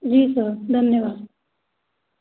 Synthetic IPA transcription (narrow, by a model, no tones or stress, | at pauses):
d͡ʒiːsəd̪ʱənjəʋaːd̪